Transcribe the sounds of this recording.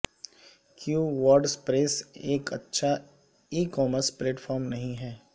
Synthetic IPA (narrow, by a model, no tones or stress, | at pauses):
kjuːʋɔːɾɖspɾeːseːkɐ̰tːʃʰa | iːkɔːməspleːʈfʰɔːɾmnɐɦĩɦɛː